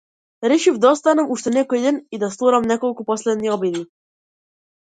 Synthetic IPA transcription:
ɾeʃifd̪aost̪anamuʃt̪enɛkojd̪enid̪ast̪ˠuɾamnɛkolˠkuposled̪niobid̪i

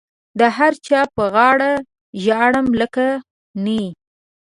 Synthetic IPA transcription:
d̪əɦaɾt͡ʃɑpəɣɑɽa | ʒɑɽəmləka | ni

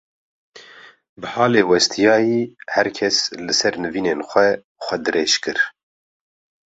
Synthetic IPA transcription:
bɨhɑːleːwɛst̪ʰijɑːjiːhɛɾkʰɛslɨsɛɾnɨviːneːnxʷɛ | xʷɛd̪ɨɾʔeːʃkɨɾ

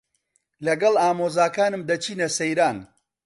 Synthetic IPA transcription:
lɐɡɐlaːmoːzaːkaːnɨmd̪ɐt͡ʃʰiːnɐsɐjɾaːn

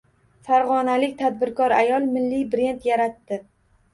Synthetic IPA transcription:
faɾʁɒnalɪkʲt̪ʰad̪̚bɪɾkʰɒɾajɒlˠmɪlːibɾe̞nt̪jaɾat̪ːɪ

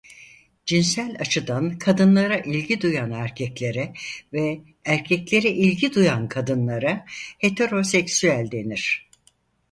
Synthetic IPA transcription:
d͡ʒinsælʲat͡ʃʰɯd̪ankʰad̪ɯnlˠaɾaʔilʲɟid̪ujanæɾcʰɛclʲe̞ɾɛvɛ | æɾcʰɛclʲe̞ɾɛʔilʲɟid̪ujankʰad̪ɯnlˠaɾahe̞t̪ʰe̞ɾo̞sɛcsyælʲd̪e̞niɾ̥

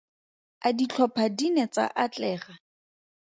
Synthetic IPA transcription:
adit͡ɬʰɔpʰadinet͡sa̰ʔat͡ɬɛːχa

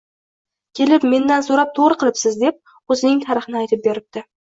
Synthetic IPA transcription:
kʲʰe̞lɪpme̞nd̪ansoɾap̚t̪ʰoʁɾɨqʰɨlˠɪpsɪzd̪e̞p̚ | ɵzɪnɪŋt̪ʰaɾɪχɨnɪajt̪ʰɪp̚be̞ɾɪp̚t̪ɪ

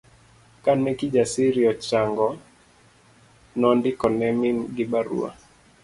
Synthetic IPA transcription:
kanɛkid͡ʒasiɾiɔt͡ʃaŋɡɔ | nɔndɪkɔnɛminɡɪbaɾṵa̰

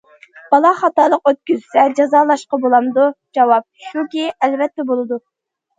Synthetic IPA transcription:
b̥ɑlˠɑχɑt̪ɑːlˠəqøt̪̚kʲyzsɛd͡ʒɑzɑːlˠɑʃqɑbolˠɑmd̪ud͡ʒɑwɑp̚ʃukʲiælvɛt̪ːɛbolˠɨd̪u

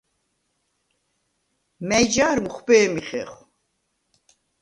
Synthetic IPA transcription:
mɛjd͡ʒaːɾmuχʷbɛːmiχɛ̰χ

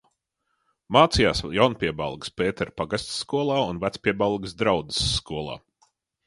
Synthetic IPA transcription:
maːt̪sijaːsjawnpʲiɛba̰lˠɡɨ̥speːt̪ɛɾpaɡast̪sːkuɔlˠaːunvæt̪spʲiɛbalˠɡsd̪ɾawd̪ɨ̥sːkuɔlˠɑ̰ː

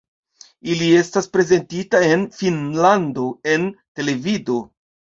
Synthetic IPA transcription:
ilie̞staspɾe̞ze̞ntitae̞nfinlando̞e̞nte̞le̞vido̞

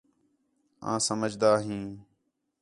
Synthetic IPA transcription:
ã̰ːsəməd͡ʒd̪aːɦĩː

